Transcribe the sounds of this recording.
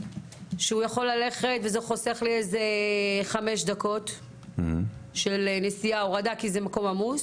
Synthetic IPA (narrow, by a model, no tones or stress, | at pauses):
ʃeujaχo̞lːale̞χetvezeχoseχlieze̞χame̞ʃd̪ako̞t | ʃelnesijaoʁad̪akizemako̞mamuz